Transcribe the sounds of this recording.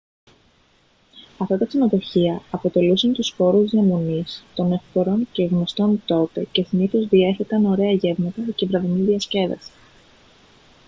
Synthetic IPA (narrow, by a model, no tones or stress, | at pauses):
ɐft̪ɐt̪ɐsino̞ðo̞çiɐɐpo̞t̪e̞lusɐnt̪uspo̞ɾuziɐmonist̪o̞neft̪oɾo̞nce̞ɣno̞st̪o̞nt̪o̞t̪e̞ce̞siniθo̞zðie̞θet̪ɐno̞ɾe̞ɐʝe̞vmɐt̪ɐcevɾɐviniðiɐsce̞ðɐ̰si̥